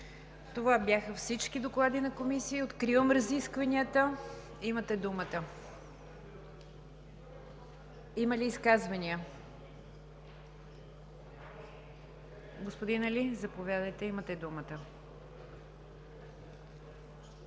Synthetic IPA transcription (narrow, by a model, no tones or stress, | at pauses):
t̪ovabʲjaxəfsit͡ʃkid̪oklˠad̪inɐkomisiːot̪kɾivəmɾəziskvɐnʲiət̪ə | imət̪ɛd̪umət̪ə | iməliːskazvɐniə | ɡospod̪inɐlizɐpovʲjad̪əjt̪ɛimət̪ɛd̪umət̪ə